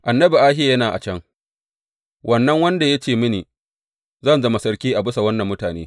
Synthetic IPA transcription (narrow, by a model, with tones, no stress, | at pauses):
ʔa˨nːɐ˦bi˨ʔaː˦ɦɪ˦ja˨jɐ˦naː˨ʔa̰˨t͡ʃɐ˦ŋ | wʔɐ˦nːɐ˦ŋwɐ˦nda˨ja˦t͡ʃeː˦˨mɪ˦niː˨ | zɐ˦nzɐ˦ma˨sɐ˦ɽkʲiː˦ʔa˨bɪ˦sa˨wɐ˦nːɐ˨mːʊ˦taː˨nḛː˦